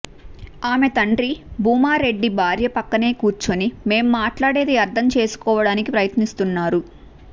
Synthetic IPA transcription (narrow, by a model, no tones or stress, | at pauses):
aːme̞t̪ɐɳɖɾibʱuːmaːɾe̞ɖːibʱaːɾjɐpɐkːɐne̞ːkuːɾt͡ʃonime̞ːmːaːʈlaːɽe̞ːd̪eɐɾt̪ʰɐmt͡ʃe̞ːsu̥kɔːʋɐɽaːnikipɾɐjɐt̪nist̪unːaːɾu